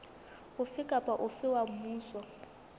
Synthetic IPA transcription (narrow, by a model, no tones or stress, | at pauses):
ʊfɪkʼapʼaʔʊfɪwamuːswa